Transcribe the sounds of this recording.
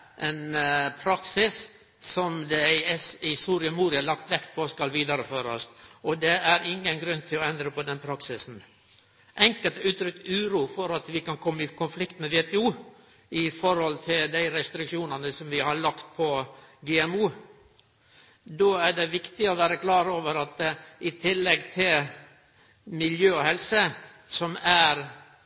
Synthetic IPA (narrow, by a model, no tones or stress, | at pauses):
ʔɛnpʰɾɑksɪs | sɔmd̪ɛsɪsuːɾɪəmuːɾɪɑlɑk̚t̪ʋɛkt̪̚pʰoːskɑlʋiːd̪ɑɾəføːɾɔsɔd̪ɛæɾɪŋːənɡɾʉnːt̪ʰɪlɔɛnd̪ɾəpɔd̪ɛnpʰɾɑksɪsn̩ | ʔɛŋkəlt̪ʉːt̪ɾʏk̚t̪ʉːɾuːfɔɾɑt̪ʋɪkɑnkʰɔmːəɪkʰʊnflɪkt̪mɛʋeːt̪ɛuː | ɪfɔɾhɔlt̪ʰɪld̪æɪɾɛst̪ɾɪkʂuːnənəsɔmʋɪhɑɭɑkt̪̚pʰɔɡɛːɛmuː | d̪oːæɖɛʋɪkt̪ɪɔʋæːɾəklɑːɾoːʋəɾɑt̪ɪt̪ʰɪlːɛɡt̪ʰɪl | mɪljøːɔhɛlsə | sɔmæɾ